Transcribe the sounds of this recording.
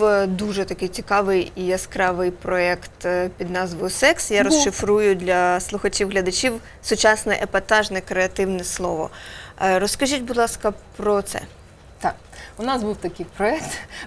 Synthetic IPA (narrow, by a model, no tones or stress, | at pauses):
d̪uʒɛt̪ɐkɪjt͡sʲikɑʋɪjiɐskɾɑʋɪjpɾɔɛkt̪pʲid̪nɑzʋɔjʊsɛksjaɾɔsʃʃɪfɾujʊd̪ʲlʲɐslˠʊxɐt͡ʃʲiwɦlʲɐd̪ɐt͡ʃʲiw | sʊt͡ʃɑsnɛʔepɐt̪ɑʒnɛkɾeɐt̪ɪwnɛslˠɔʋɔ̰ɾɔskɐʒʲitʲbʊd̪lˠɑskɐpɾɔt̪sɛ̰ | t̪ɑkʊnɑzbuwt̪ɐkɪjpɾɔɛk̚t̪